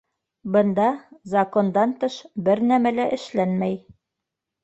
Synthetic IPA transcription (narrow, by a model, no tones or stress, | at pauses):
bɤ̆nd̪ɑzɐkond̪ɑnt̪ɤʃbɘɾnæmælæʔɘ̆ʃlænmæj